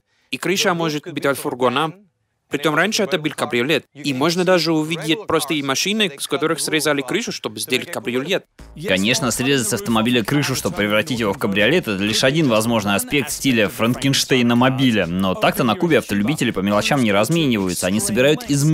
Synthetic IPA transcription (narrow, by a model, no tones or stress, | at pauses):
ikɾɨʂəmoʐɨt̪bʲit̪ʲalʲfʊrɡona | pɾʲɪt͡ɕʲo̞mranʲʂɨɛt̪əbɨlʲkɐbɾʲɪʊlʲet̪̚imo̞ʐnəd̪aʐɨʊvʲidʲɪt̚ʲpɾost̪əjejmɐʂɨnɨskɐt̪o̞ɾɨxsɾʲɪzalʲɪkɾɨʂʊʂt̪obɨzʲdʲelʲɪt̚ʲkɐbɾʲɪʊlʲet̪̚ | kɐnʲe̞ʂnəsɾʲezəsɐft̪əmɐbʲilʲɪkɾɨʂʊʂt̪o̞bəpːɾʲɪvɾɐtʲitʲjɪvo̞fkəbɾʲɪɐlʲet̪ɛt̪əlʲiʂɐdʲinvɐzmo̞ʐnɨjɐspʲe̞k̚t̪sʲtʲilʲəfɾənkʲɪnʂt̪ejnəmɐbʲilʲənot̪akt̪ənɐkubʲɪɐft̪əlʲʉbʲitʲɪlʲɪpəmʲɪlˠɐt͡ɕamnʲɪɾɐzmʲenʲɪvəjʊt̪səɐnʲisəbʲɪɾajʊt̪ɪz